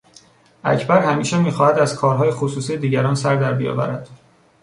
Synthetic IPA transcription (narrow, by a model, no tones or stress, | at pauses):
ʔæ̰cʰbæɾhæmiːʃemiːxɒːhæd̪æzkʰɒːɾɦɒːjexosuːsijed̪iːɟæɾɒːnsæɾd̪æɾbijɒ̰ːvæ̰ɾæd̪̥